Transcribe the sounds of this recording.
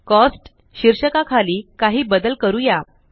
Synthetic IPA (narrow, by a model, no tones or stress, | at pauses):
kɔsʈ | ɕiɾɕəkakʰaliːkaɦiːbəd̪əlkəɾuja